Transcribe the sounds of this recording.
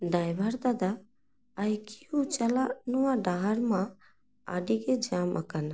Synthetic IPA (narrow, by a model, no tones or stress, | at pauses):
ɖajbʱəɾd̪ad̪aː | jki̥ut͡ʃalanuwaɖaɦaɾmã | a̰ɖiɡed͡ʒamʔa̰kana